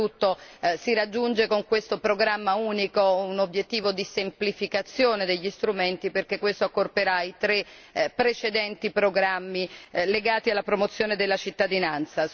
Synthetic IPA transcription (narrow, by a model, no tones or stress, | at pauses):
ut̪ːosiɾad͡ʒːund͡ʒekoŋkwest̪opɾoɡɾamːauːnikounobjet̪ːiːvod̪isemplifikat̪sːjoːned̪eʎːist̪ɾument̪iperk̟ekːwest̪oakːorpeɾait̪ɾe | pːɾet͡ʃed̪ɛnt̪ipɾoɡɾamːileɡaːt̪ialːapɾomot̪sːjoːned̪elːat͡ʃit̪ːad̪inant̪sa